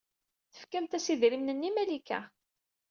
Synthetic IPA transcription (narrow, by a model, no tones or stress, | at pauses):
θə̥fkæmt̪æsiðɾimnənːimælikæ̰